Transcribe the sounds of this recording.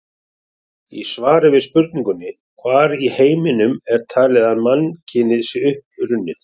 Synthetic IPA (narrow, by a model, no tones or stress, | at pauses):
isvaːɾɪvɪðspʏɾk̪̚niŋkʏnːɪ | kʰvaːɾiheːjmɪnʏmɛɾ̥t̪ʰaːlɛðaðmanːcʰɪnɪðsɪʏhp̚ɾʏnːɪθ